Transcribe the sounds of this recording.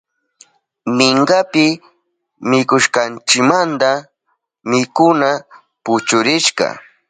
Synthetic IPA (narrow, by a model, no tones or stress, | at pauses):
mɪɴɢapɪ | mɪkʊʃkɑnt͡ʃɪkmant̪a | mɪkʊna | pʊt͡ʃʊɾɪʃkɑ̰